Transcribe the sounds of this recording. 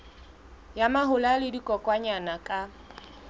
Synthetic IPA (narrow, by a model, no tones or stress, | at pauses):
jamaɦʊlalɪdikʼɔkʼwaɲanakʼa